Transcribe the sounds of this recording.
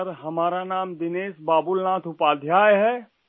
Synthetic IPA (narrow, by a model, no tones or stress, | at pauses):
əɾɦɐmaːɾanaːmd̪ɪneːsbaːbʊlnaːt̪ʰʊpaːd̪ʱjaːjɦɛː